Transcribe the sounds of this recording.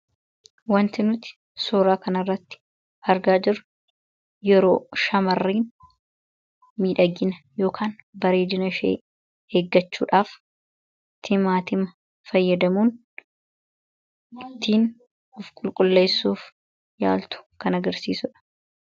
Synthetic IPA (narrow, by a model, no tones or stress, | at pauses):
wɐnt̪ɪnʊt̪ɪ̥ | soːɾaːkɐnɐrːɐt̪ːɪ̥ | ɐɾɡaːd͡ʒɪɾʊ | jɛɾo̞̰ːʃɐmɐrːiːn | miːᶑɐɡɪnɐjo̞ːkʰaːnbɐɾe̞ːd̪ɪnɐʃḛː | heːɡːɐt͡ʃːuːᶑaːf | t̪ʰːɪmaːt̪ɪmɐ | fɐjːɐd̪ɐmuːn | ɪt̪ːiːn | ɔfkʼʊlkʼʊlːe̞ːsːuːf | ja̰ːlt̪ʊ̥kɐnɐɡɐɾsḭːsʊᶑɐ̥